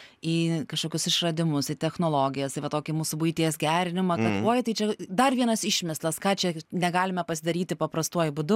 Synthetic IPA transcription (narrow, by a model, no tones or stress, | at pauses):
iːkɐʃkoːkʲʊsɪʃrɐd̪ʲɪmʊsɪt̪ʲɛxnoːlˠoːɡʲɪjɛst̪ɐɪʋɐt̪oːkʲɪmuːsʊbʊjt̪ʲiːsɡʲæːɾʲɪnʲɪmɐkɐt̪oːjt̪ɐɪt͡ʃʲɛd̪ɐrʋʲiɛnɐsɪʃʲmʲɪslˠɐskɑːt͡ʃʲɛnʲɛɡɑːlʲɪmʲɛpɐsʲɪd̪ɐɾʲiːt̪ʲɪpɐpɾɐst̪uɔjʊbʊd̪ʊ